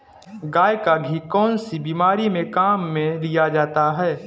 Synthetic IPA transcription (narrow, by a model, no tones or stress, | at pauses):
ɡaːjkaɡʱikɔːnsibiːmaːɾimẽkaːmːẽlijad͡ʒaːt̪aɦɛː